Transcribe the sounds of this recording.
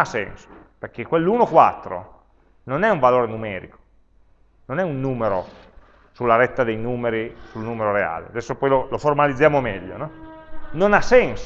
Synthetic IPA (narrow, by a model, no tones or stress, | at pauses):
asːɛ̰nso̥perk̟ekːwelːuːnokwa̰t̪ːɾo̰ | nonɛuɱvaloːɾenumɛːɾḭko̥ | nonɛunːuːmeɾo | sulːaɾɛt̪ːad̪ejnuːmeɾisulnuːmeɾoɾea̰ːlḛad̪ɛsːopɔjloloformalid̪zːjaːmomɛʎːo̰nɔnonasːɛns